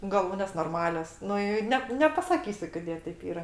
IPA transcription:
ɡɐˈlˠuːnʲeːs noːrˈmɑːlʲoːs ˈnʊ ɪ ˈnʲɛp nʲɛpɐsɐˈkʲiːsʲʊ koːˈdʲeː tʲɛɪp ˈiːrɐ

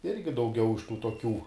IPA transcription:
ˈɪrʲɡʲɪ dɐʊˈɡʲɛʊ ɪʃ tuː toːˈkʲuː

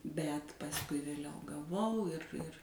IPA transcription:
bʲɛt pɐsˈkʊɪ ʋʲeːˈlʲɛʊ ɡɐˈʋɐʊ ˈɪr ɪr

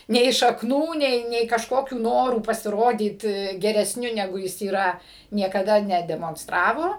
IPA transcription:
nʲɛɪ ʃɐkˈnuː ˈnʲɛɪ nʲɛɪ kɐʃˈkoːkʲuː ˈnoːruː pɐsʲɪˈroːdʲiːt ɡʲɛrʲɛsʲˈnʲʊ nʲɛˈɡʊ ˈjɪs iːˈrɐ nʲiɛkɐˈdɐ nʲɛdʲɛmoːnsˈtrɑːʋoː

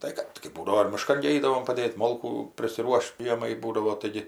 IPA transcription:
ˈtɐɪ kɐt kɐɪ ˈbuːdɐʋoː ɪr mʲɪˈʃkɐn ɡʲɪ ˈɛɪdɐʋoːm pɐˈdʲeːtʲ ˈmoːlˠkuː pʲrʲɪsʲɪˈruɔʃʲtʲ ˈʒʲiɛmɐɪ ˈbuːdɐʋoː tɐɪˈɡʲɪ

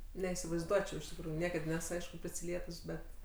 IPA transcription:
nʲɛiːsʲɪʋɐɪzˈduɔt͡ʃʲɛʊ ɪʃ tʲɪkˈruːjuːˈnʲiɛkɐt ˈnʲɛs ˈɐɪʃkʊ pʲrʲɪsʲɪˈlʲiɛtʊs ˈbʲɛt

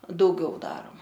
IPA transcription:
dɐʊˈɡʲɛʊ ˈdɑːroːmɐ

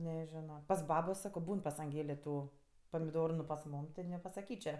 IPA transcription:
nʲɛˈʒʲɪnoː pɐs ˈbɑːboː ˈsɑːkoː ˈbuːn pɐs ɐŋʲˈɡʲeːlʲeː ˈtuː pɐmʲɪˈdoːrʊ nʊ pɐs ˈmuːm tʲɪ nʲɛpɐsɐˈkʲiːt͡ʃʲɛ

